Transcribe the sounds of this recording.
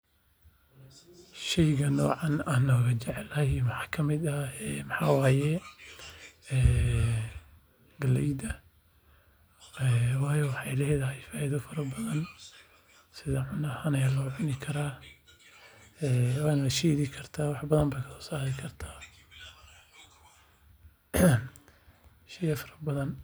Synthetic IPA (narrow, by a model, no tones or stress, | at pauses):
ʃɛjɣɐnɔːʕɑnaːnːɔːɣɐt͡ʃɛʕɛlɐmɐħɑːkʰɐmɪd̪ɐɛːmɑħaːwaːjɛ | ɛː | ɡɐlɛjd̪ɐ | ɛwɑːjɔwɑħɑjlɛːjðɐɦɛjfaːjðʊfɐɾɐbɐðɐn | sɪðɐʕʊnɐhɐnɛlɔːʕʊnɪkʰɐɾaː | ɛːwaːnɐɐʃiːðikʰɐrt̪ʰaːwɑħbɐðɐmbɛjkʰɐsɔ̥ːsaːɾɪkʰɐrt̪ʰaː | ʃiːðɐfɐɾɐbɐðɐn